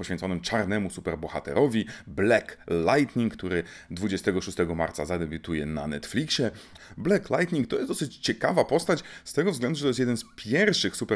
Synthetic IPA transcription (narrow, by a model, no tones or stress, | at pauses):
pɔɕfʲɛnsɔnɘmt͡ʂaɾnɛmusupɛɾbɔxat̪ɛ̰ɾɔvʲiblɛklajt̪ɲiŋkt̪uɾɘ | d̪vud͡ʑɛst̪ɛɡɔʂust̪ɛɡɔmaɾt̪sazad̪ɛbʲut̪ujɛna̰nɛt̪flʲikɕɛ | blɛklajt̪ɲʲiŋkt̪ɔjɛsd̪ɔsɘt͡ɕt͡ɕɛkavapɔst̪at͡ɕst̪ɛɡɔvzɡlɛnd̪uʐɛt̪ɔjɛst̪jɛd̪ɛnspʲjɛɾfʂɘxsupɛ